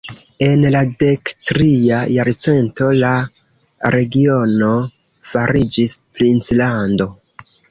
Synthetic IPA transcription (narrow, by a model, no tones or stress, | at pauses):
e̞nlade̞ktɾiajaɾt͡se̞nto̞la | ɾe̞ɡio̞no̞ | faɾid͡ʒisplint͡slando̞